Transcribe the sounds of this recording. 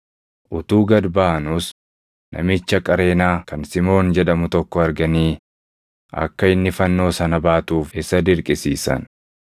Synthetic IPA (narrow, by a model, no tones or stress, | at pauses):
ʔʊt̪uːɡɐd̪baːnʊs | nʔɐ̰mɪt͡ʃːɐkʼɐɾe̞ːnaːkɐnsɪmo̞ːnd͡ʒɛᶑɐmʊt̪ɔkːɔɐɾɡɐniː | ɐ̰kːɐɪnːɪfɐnːo̞ːsɐnɐbaːt̪uːfɪsɐd̪ɪɾkʼɪsiːsɐ̰n